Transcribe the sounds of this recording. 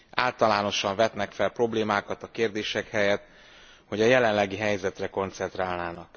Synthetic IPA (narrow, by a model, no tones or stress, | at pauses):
aːlt̪ɒlaːno̞ʃɒɱvɛt̪nɛkfɛlpro̞bleːmaːkɒt̪ɒkeːrd̪eːʃɛkhɛjɛt̪ | ho̞ɟɒjɛlɛnlɛɡiɦɛjzɛt̪rɛko̞nt̪sɛnt̪raːlnaːnɒk